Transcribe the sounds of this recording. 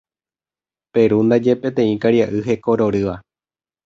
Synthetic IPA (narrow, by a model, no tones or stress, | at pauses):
pe̞ɾund̪ad͡ʒe̞pẽ̞t̪ẽ̞ĩkaɾjaʔɨɦe̞koɾo̞ɾɨʋa